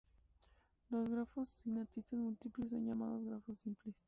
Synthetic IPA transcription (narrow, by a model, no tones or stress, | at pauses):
lozɣɾafosinaɾt̪ist̪azmult̪iples̬ːo̰nʝama̰ðozɣɾafosːimples